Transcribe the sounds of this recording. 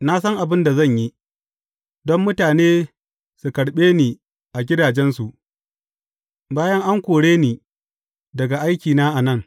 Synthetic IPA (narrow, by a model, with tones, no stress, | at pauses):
na˦s̬ɐ˦ŋʔa˨bɪ˦nda˨zɐ˦˨ɲji˦ | dɔ˦mːʊ˦taː˨neː˦ | su˨kɐ˨ɽɓeː˦niː˨ | ʔa˨ɡʲɪ˦daː˨d͡ʒɛ˦nsu˨ʔ | baː˦jɐ˦ŋʔa˦ŋkʷoː˨ɽeː˦niː˨ | dɐ˨ɡa˨ʔa˦jkʲiː˨naː˦ʔa˨nɐ˦˨ŋ